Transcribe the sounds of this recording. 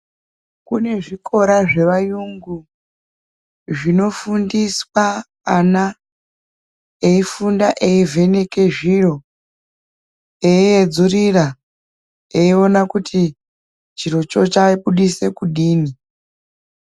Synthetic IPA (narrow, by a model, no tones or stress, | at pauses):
kune̞ʐikʰo̞ɾaʐe̞ʋajuŋɡu | ʐino̞fundiswaː | na | eifundaʔeive̞ne̞ke̞ʐiro̞ | eied͡zurira | eio̞nakutʰi | t͡ʃiro̞t͡ʃo̞t͡ʃaiɓuɗise̞kuɗiːni